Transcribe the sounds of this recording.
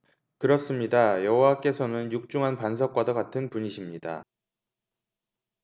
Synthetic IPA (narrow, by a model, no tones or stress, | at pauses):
kɯɾʌs͈ɯmɲidajʌɦowak͈e̞sʰʌnɯnjuk̚t͡ɕ͈uŋɦanpans̬ʰʌk̚k͈wadʌkatʰɯnpuɲiɕʰimɲida̰